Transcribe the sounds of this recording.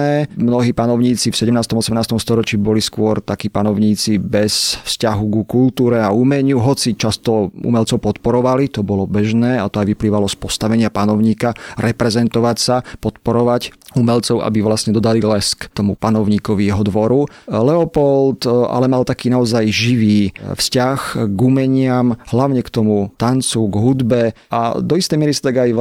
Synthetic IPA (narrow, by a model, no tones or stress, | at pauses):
ɛːmnɔɦiːpanɔʊɲiːt͡sifsɛɟɛmnaːst̪ɔmɔsɛmnaːst̪ɔmst̪ɔɾɔt͡ʃiːbɔliskʊɔɾt̪akiːpanɔʊɲiːt͡sibɛsfscaɦuɡkult̪uːɾɛaumɛɲɪuɦɔt͡sit͡ʃast̪ɔṵmɛlt͡sɔʊpɔt̪pɔɾɔʋalit̪ɔbɔlɔbɛʒnɛːat̪ɔajʋipliːʋalɔspɔst̪aʋɛɲɪapanɔʊɲiːkaɾɛpɾɛzɛnt̪ɔʋacsapɔt̪pɔɾɔʋacumɛlt͡sɔʊa̰biʋlasɲɛd̪ɔd̪alilɛskt̪ɔmupanɔʊɲiːkɔʋijɛɦɔd̪ʋɔɾulɛɔpɔlt̪a̰lɛmalt̪akiːnaɔzajʒiʋiːfscaxɡumɛɲɪamɦlaʊɲɛkt̪ɔmut̪ant͡suɡɦud̪bɛʔad̪ɔist̪ɛjmɪɛɾisḁt̪aɡaj